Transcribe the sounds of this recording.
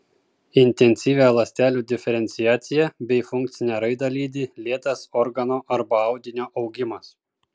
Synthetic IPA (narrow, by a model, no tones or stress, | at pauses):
ɪnʲt̪ʲɛnʲsʲiːʋʲæˑlˠɐsʲt̪ʲæːlʲuːd̪ʲɪfʲɛɾʲɛnʲt̪sʲɪjæːt̪sʲɪjɛbʲɛɪfʊŋk̚t̪sʲɪnʲɛæɾɐɪd̪ɑlʲiːd̪ʲɪlʲiɛt̪ɐsɔɾɡɐnoːʔɐɾbɐɐʊd̪ʲɪnʲoːʔɒʊɡʲɪmɐs